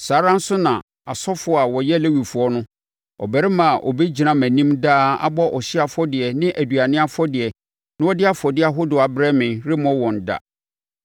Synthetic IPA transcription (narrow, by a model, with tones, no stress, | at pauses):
saː˨˦ɾã˦n̩˦sʊ˦nã˨ | a˨sɔ˦fʊ˨˦ɔ˨a˨wɔ˨jɛ˦˨le˦wi˨fu˨ɔ˦nʊ̃˦ | ɔ̰˨bæ˨ɾɪ˦mã˨ʔɔ̰˨be˦d͡ʑi˨nã˦mæ̃˨nĩ˦mdaː˦a̰˦bɔ˦ʔɔ˨ɕɪ˦a˨fɔ˦dɪ˨ɛ˨nɪ̃˦ʔæ˨du˨a˨nɪ̃˦a˦fɔ˦dɪ˨ɛ˨ | nɪ̃˦wɔ˦dɪ˦a˦fɔ˨dɪ˦a˨ɦʊ˦dʊ˨a˨bɾɛ˦mɪ̃˨nɾɪ˦mɔ̃˦wɔ̃˨n˨da̰˦˨